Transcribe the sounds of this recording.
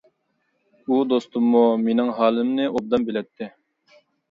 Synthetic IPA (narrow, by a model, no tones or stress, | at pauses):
ud̪ost̪umːumenɪŋɦɑːlɪmnɪʔob̚d̪ɑmbɪlɛt̪ʰːɪ